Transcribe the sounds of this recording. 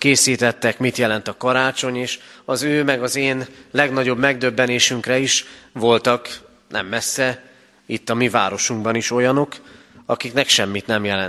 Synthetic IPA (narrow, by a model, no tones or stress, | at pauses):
keːsiːt̪ɛt̪ːɛkmit̪jɛlɛnt̪ɒkɒɾaːt͡ʃo̞ɲeːʃɒzøːmɛɡɒzeːnlɛɡnɒɟo̞bmɛɡ̚d̪ø̞bːɛneːʃyŋkɾɛiʃʋo̞lt̪ɒk | nʔɛ̰mːɛsːɛ | it̪ːɒmiva̰ːɾo̞ʃuŋɡbɒniʃo̞jɒno̞kɒ̰kiknɛkʃɛmːit̪nɛmjɛlɛn